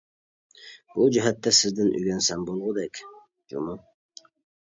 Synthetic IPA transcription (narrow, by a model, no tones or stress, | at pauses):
bud͡ʒɪɦæt̪ːɛsɪzd̪ɪnʔy̰ɡʲɛnsɛnbolˠʁʊd̪ɛkʲ | d͡ʒṵmʊ